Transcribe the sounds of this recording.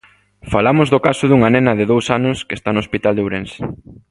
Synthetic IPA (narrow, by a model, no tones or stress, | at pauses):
falamʊzðokasʊðuŋanɛnɐðɪðowsanʊskest̪anospit̪ald̪ewɾensɪ̥